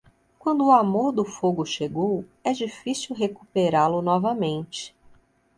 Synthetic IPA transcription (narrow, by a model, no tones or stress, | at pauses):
kwɐ̃nd̪ʊːamoɾd̪ʊfoɡʊʃeɡowɛd͡ʒifisiwɦekupeɾalʊnɔvɐmẽnt͡ʃɪ̥